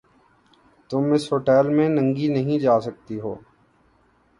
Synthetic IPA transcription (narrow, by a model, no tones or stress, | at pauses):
t̪ʊmɪsɦoːʈɛːlmẽnə̃ŋɡinəɦĩd͡ʒaːsək̚t̪iɦo̰ː